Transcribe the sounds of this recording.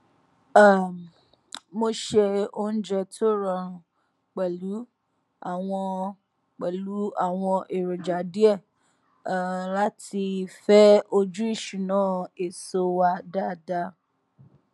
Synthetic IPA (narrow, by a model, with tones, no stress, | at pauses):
mo˧ʃe˧o˧n̩˦d͡ʒɛ˧tʰo˦˨ɾɔ˨ɾ̃ũ˧ | k͡pɛ˨lu˨˦ | a˨w̃ɔ̃˧ | k͡pɛ˨lu˨˦a˦˨w̃ɔ̃˧ʔe˨ɾo˨d͡ʒa˨˦di˦ɛ˦˨ | la˨˦tʰi˧fɛ˦o˧d͡ʒu˦i˦˨ʃu˨nãː˦e˨so˧wa˧da˦˨da˦